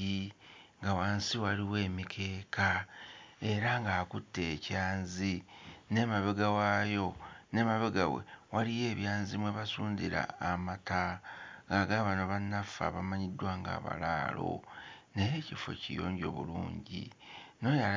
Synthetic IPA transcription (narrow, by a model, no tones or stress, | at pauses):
iŋɡawaːnsiwaliwe̞ːmikʰe̞ːkʰa | e̞ɾaŋɡaːkutːe̞ːcaːnzine̞maβeɡawajo̞ne̞maβeɡawḛwalije̞ːβjaːnzimweβasuːndiɾa̰ːmataŋɡaɡaβanoβanafa̰βamaɲidwaːŋɡa̰ːβa̰la̰ːlo̞̰nejecifo̞̰cḭjo̰ːɲɟo̞̰ːβṵlṵːɲɟḭno̞ja